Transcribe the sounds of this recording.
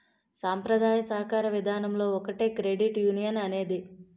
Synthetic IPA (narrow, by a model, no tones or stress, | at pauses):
saːmpɾɐd̪ʱaːjɐsɐɦɐkaːɾɐʋid̪ʱaːnɐmlo̞ːɔkɐʈeːkɾeɖiʈjuːnijɐnɐne̞ːd̪i